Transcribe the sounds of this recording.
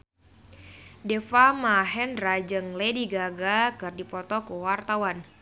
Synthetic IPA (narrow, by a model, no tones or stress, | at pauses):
dɛfamaɦɛnrad͡ʒɨŋlediɡaɡakɨrdipɔt̪ɔkuwart̪awan